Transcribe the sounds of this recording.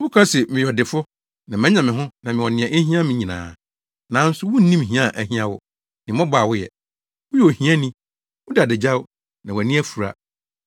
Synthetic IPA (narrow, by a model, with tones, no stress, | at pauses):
bu˦kʰa˦sɛ˨mɪ̃˨jɔ˨dɪ˨fʊ˦ | nã˨mɛ̃˦ɲ˦ã˨mɪ̃˨ɦʊ̃˦nã˨mɪ̃˨wɔ˨nɪ̃˨ɛ̃˨ʔe˦ɦĩ˦ã˦mɪ̃˦ɲĩ˨nã̰ː˨ | nã˨˦n̩˦sʊ˦wʊ˦n̩˦nĩ˦m˨ɦĩ˦a˦˨ʔæ˨hĩ˦ã˦wʊ̰˦ | nɪ̃˨mɔ̃˦ba˨wʊ˦jɛ̰˨ | wʊ˦jɔ˨hĩ˦a˦nĩ˦ | wʊ˦da˨dɪ˨d͡ʑa˦w | nã˨wɔ˨æ˨nĩ˦æ˦fu˨ɾa̰˦